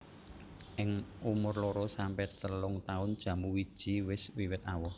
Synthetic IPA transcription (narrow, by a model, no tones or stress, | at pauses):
ʔɪŋumʊrlɔɾɔsampɛt̪əlʊŋt̪aʊnd̥ʒ̥ä̤muwid̥ʒ̥i̤wɪswiwɪt̪awɔh